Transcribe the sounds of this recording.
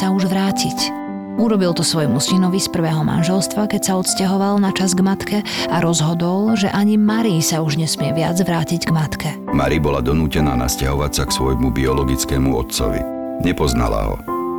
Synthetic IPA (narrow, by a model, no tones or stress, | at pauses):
sauʒʋɾaːcʰic | uɾɔbilt̪ɔsʋɔjmusinɔʋispr̩ʋɛːɦɔma̰nʒɛlst̪ʋakɛcsaɔt̪scaɦɔʋalnat͡ʃazɡmat̪kɛaɾɔzɦɔd̪ɔlʒɛʔaɲimaɾisauʒɲɛsmɪɛʋɪad͡zʋɾaːciɟɡmat̪kɛmaɾibɔlad̪ɔnuːcɛnaːna̰scaɦɔʋacsaksʋɔjmubiɔlɔɡit͡skɛːmuɔ̰t̪t͡sɔ̰ʋḭ | ɲɛpɔzna̰la̰ɦɔ̰